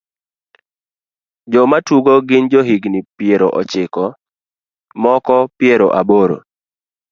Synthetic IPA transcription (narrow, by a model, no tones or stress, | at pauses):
d͡ʒɔmatuɡoɡɪnd͡ʒoɦiɡnipjeɾoʔɔ̰t͡ʃɪkɔ | mɔkɔpɪeɾo̰ʔaboɾo̰